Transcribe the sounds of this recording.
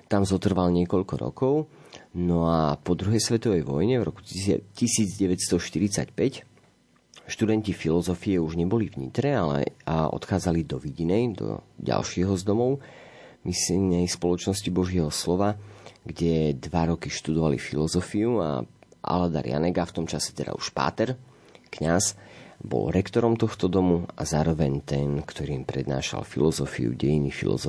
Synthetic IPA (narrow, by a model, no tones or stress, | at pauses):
t̪amzɔt̪r̩ʋalɲɪɛkɔʎkɔɾɔ̰kɔʊnɔapɔd̪ɾuɦɛjsʋɛt̪ɔʋɛjʋɔjɲɛvɾɔ̰ku̥cisiːd͡zɟɛʋɛcst̪ɔʃt̪iɾit͡sa̰cpɛc | ʃt̪ud̪ɛncifilɔzɔfiɛuʒɲɛbɔlivɲḭt̪ɾɛalɛ̰ɔ̰t̪xaːd͡zalid̪ɔʋiɟinɛjd̪ɔ̰ɟa̰lʃɪɛɦɔzd̪ɔmɔʊ | misnɛjspɔlɔt͡ʃnɔscibɔʒɪɛɦɔslɔʋaɡɟɛd̪ʋaɾɔkiʃt̪ud̪ɔʋalḭfilɔzɔfiua̰ʔa̰lad̪a̰ɾja̰nɛɡaft̪ɔmt͡ʃasɛ̥t̪ɛd̪a̰uʃpa̰ːt̪ɛɾ | kɲasbɔ̰lɾɛkt̪ɔɾɔmt̪ɔxt̪ɔd̪ɔmuazaːɾɔʋɛɲt̪ɛnkt̪ɔɾiːmpɾɛd̪na̰ːʃa̰lfḭlɔzɔfḭṵɟɛjinifḭlɔ̰zɔ